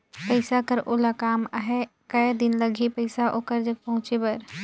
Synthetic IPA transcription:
pəɪsakəɾʔoːlakaːmɦɛ | kəjd̪ɪnləɡʱipəɪsaʔoːkəɾd͡ʒək̚pɐɦʊ̃t͡ʃepɐɾ

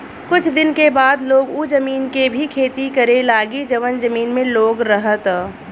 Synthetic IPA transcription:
kʊt͡ʃʰd̪ɪnkebaːd̪loːɡud͡ʒəmiːnkebʱikʰeːt̪ikɐɾelaːɡid͡ʒɐʋənzɐmiːnmẽloːɡɾəɦət̪

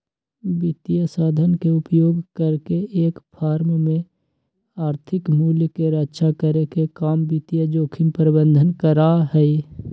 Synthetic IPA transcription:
bɪt̪ijasaːd̪ʱənkeʊpjoːɡkəɾkeeːkpʰaːɾmmẽ | aːɾt̪ʰɪkmuːljkeɾətːʃʰakəɾekekaːmbɪt̪ijad͡ʒoːkʰɪmpəɾɪbə̃nd̪ʱənkəɾaɦɛi

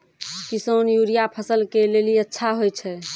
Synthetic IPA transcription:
kisonjuɾijapʰəsəlkeleliətːʃʰaɦojt͡ʃʰɛ

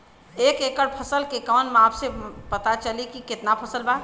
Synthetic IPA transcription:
ekekəɽpʰəsəlkekɔːnmapʰsẽpət̪at͡ʃəlikiket̪napʰəsəlba

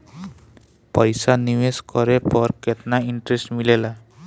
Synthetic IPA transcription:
pajsaniweskɔɾepɔɾkɛt̪̚naiɳʈɾɛstmilela

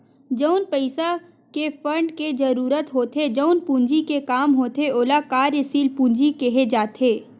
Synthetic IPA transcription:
d͡ʒəʊnpəɪsa | kefə̃ɳɖked͡ʒɐɾuːɾət̪ɦoːt̪ʰed͡ʒəʊnpũːɲd͡ʒikekaːmɦoːt̪eoːlakaːɾəsiːlpũːɲd͡ʒikeɦed͡ʒaːt̪ʰeː

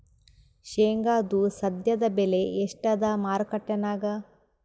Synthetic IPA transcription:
ʃeːŋɡaːd̪usɐd̪jɐd̪ɐbeleeʂʈɐd̪ɐmaːɾkɐʈːɐnaːɡɐ

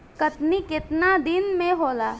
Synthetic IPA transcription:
kɐt̪nikɪt̪nad̪ɪnmẽɦoːlaː

